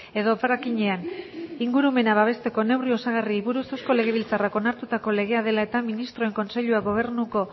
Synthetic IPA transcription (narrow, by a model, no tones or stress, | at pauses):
e̞ðo̞parakiɲe̞aniŋɡuɾume̞naβaβ̞e̞st̪e̞ko̞ne̞wrio̞saɣ̞ariːβuɾusewsko̞le̞ɣ̞e̞β̞ilt͡sarako̞naɾt̪ut̪ako̞le̞ɣe̞að̞e̞lae̞t̪aminist̪ɾo̞e̞ŋko̞nse̞ʎuaɡɣo̞β̞e̞ɾnuko̞